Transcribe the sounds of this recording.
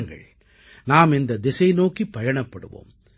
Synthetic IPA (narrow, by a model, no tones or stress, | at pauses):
ŋɡɐ̰ɭ | naːmɛnd̪ɐd̪ɪsɐɪnoːkipːɐjɐɳɐpːɐɽɯ̰ʋo̰ːm